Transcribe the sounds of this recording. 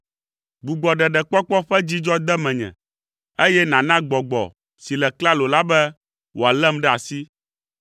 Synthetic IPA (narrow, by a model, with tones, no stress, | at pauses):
ɡ͡bu˨ɡ͡bɔ˨ɖɛ˨ɖɛ˨k͡pɔ˦k͡pɔ˦ɸɛ˦d͡ʑi˦d͡ʒɔ˦d̪ɛ˦mɛ̃˨ɲɛ̰̃˨ | e˦jɛ˦nã˨nã˦ɡ͡bɔ˨ɡ͡bɔ̰˨ | si˨lɛ˨kla˦lo˨la˦bɛ˦ | wo˨a˨lɛ˦mɖɛ˦a˨si˦